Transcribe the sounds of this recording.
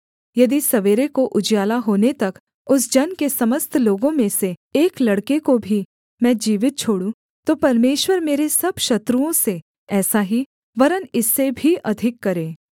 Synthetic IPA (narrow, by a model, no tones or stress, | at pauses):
jɐd̪isɐʋeːɾekoʔʊd͡ʒjaːlaɦoːnet̪ɐk | ʊsd͡ʒɐnkesɐməst̪ʰloːɡõmẽseeːklɐɽkekobʱi | mɛ̃d͡ʒiːʋɪt̪̚t͡ʃʰoːɽũ | t̪opɐɾmeːʃwəɾmeːɾesɐbʱʃɐt̪ɾuõse | ɛːsaɦi | ʋɐɾənɪsːebʱiʔɐd̪ʱɪkːɐɾẽː